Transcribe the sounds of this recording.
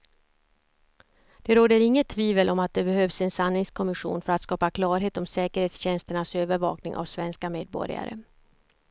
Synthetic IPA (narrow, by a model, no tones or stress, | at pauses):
d̪̥ɛɾoːd̪əɾɪŋːət̪ʰːviːvəlʔɔmat̪̚d̪ɛbɛɦœːvsɛnsanːɪŋskʰɔmɪɧṵːnfœɾat̪skɑːpakʰlɑːɾɦeːt̪ɔmsɛːkəɾheːt̪sɕɛnst̪əɳasøːvəɾvɑ̰ːknɪŋʔa̰vsvɛnskameːd̪̚bɔ̰ɾɪ̰a̰ɾə̰